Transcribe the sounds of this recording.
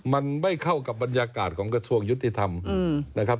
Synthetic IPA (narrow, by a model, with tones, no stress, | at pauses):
ma˧nma˥˩jkʰa˥˩wka˨˩p̚ba˧njaː˧kaː˨˩t̪̚kʰɔː˩˦ŋkɾa˧su˧əŋju˦˥t̪ːi˨˩t̪ʰa˧m˧na˦˩kʰa˦˥p̚